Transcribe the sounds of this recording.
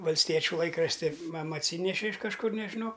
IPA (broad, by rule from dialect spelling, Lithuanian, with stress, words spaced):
ʋɐlʲsʲˈtʲiɛt͡ʃʲuː ˈlˠɐɪkrɐʃʲtʲɪ ˈmɑːmɐ ɐtʲˈsʲiːnʲɛʃʲɪ ɪʃ kɐʃˈkʊr nʲɛʒʲɪˈnɐʊ